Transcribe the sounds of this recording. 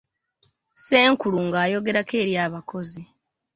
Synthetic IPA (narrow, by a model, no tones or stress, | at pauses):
se̞ːŋkuluŋɡaːjo̞ɡe̞ɾake̞ːɾjaːβako̞zi